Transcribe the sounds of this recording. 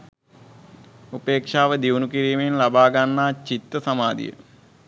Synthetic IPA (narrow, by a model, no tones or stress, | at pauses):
upeːkʂaːʋəd̪iunukiɾiːmenlabaːɡanːaːt͡ʃit̪ɾəsamaːd̪ḭjə̰